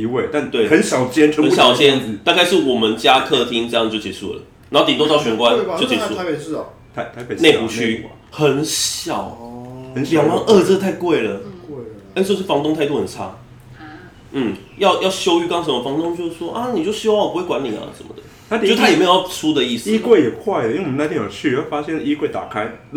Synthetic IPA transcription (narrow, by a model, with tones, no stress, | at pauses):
i˧we˥˩t̪t̪we˥˩ɪxə˧˦nɕɑ˨˩ʊt͡ɕjɛ˥nʰ˧˥ə˧n˥ɕjɑ˨˩ʊt͡ɕjɛ˦˥nt̪a˥˧ka˥˧ɪʂɻ̩˥˩wɔ˨˩mə˨˦nt͡ɕja˦kʰɤ˥˧t̪ʰi˥ŋɤ˥˧jə˨t͡ɕjo˥˩ʊt͡ɕɛ̰˧˥˩ʂṵ˥˩lə̰˩nn˨˦ho˥˩t̪i˨˩t̪o˥t̪ɑ˥˩ʊɕɥɛ˧˥nkwa˦no˥˩t͡ɕɛ̰˧su˥˧˦e˨˩˥ | t̪ʰt̪ʰa˧˥ɪ˨˩ne˥˩ɪpu˨˥t͡ɕʰy˥ | xə˨˦nɕjɑ˨˩˦ʊə˧˦n˨ŋ˥˧˩ʔə˥˧t͡s̩˥˧t̪ʰa˥˧ɪkwe˥˩ɪlə˩˥ | t͡ɕo˥˧ʊʂɻ̩˥˩fɑ˧˥ŋt̪o˥˧ŋt̪ʰa˥˧ɪt̪u˥˩hə˨˩nt͡sʰa̰˥ | n̩˥˩ | jɑ˥˧ʊjɑ˥˩ʊɕjo˥ʊy˥˧kɑ˥ŋʂə˧˦nmə˧˩fɑ˧˥ŋt̪o˥ŋt͡ɕjo˥˧ʊʂ̩˥˩ʂwɔ˥ʔa˦ni˨˩t͡ɕjo˥˩ʊɕy˧˥wɑ˥˩ŋwɔ˨pu˥we˥˩kwa˧˦nlḭ˨˩a̰˨ʂə̰˧˦nmə̰˨d̪ə˦a˥˧˥t̪ʰa˥˨me˥˧o˨jɑ˥˩t͡sʰu˦˥d̪ə˨i˥˩si˥kwe˥˩ɪjɛ˨˩kʰwa˥˩ɪd̪ə˩i˥we˩˨˦na˥t̪ʰĩ˥˧˩jo˨˩t͡ɕʰy˥˨˦jfa˦˥ɕjɛ˥˨ni˥kwe˥˩ɪt̪a̰˨˩kʰa˦˥ɪ